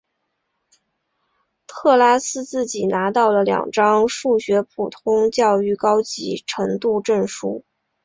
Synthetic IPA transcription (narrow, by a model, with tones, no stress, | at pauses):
t̪ʰɤ˥˩la˥sɹ̩˥t͡sɹ̩˥˩t͡ɕi˨˩na˧˥t̪ɑ˥˩ʊlə˩ljɑ̰˨˩ŋʈ͡ʂɑ˥ŋʂu˥˩ɕɥɛ˧˥pʰu˨˩t̪ʰʊ˥ŋt͡ɕjɑ˥˧ʊy˥˩kɑ˥ʊt͡ɕḭ˧˥ʈ͡ʂʰɤ˧˥ŋt̪u˥˧ʈ͡ʂə˥˩ŋʂu˥˩